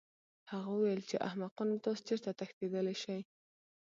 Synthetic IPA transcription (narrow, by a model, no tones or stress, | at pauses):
haɣawəwajəlt͡ʃeʔa̰hmaqɑnt̪ɑst͡ʃeɾt̪at̪axt̪ed̪əleʃaj